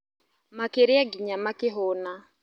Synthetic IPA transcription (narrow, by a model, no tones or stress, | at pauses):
makeɾɪaɡiɲamakɪɦɔna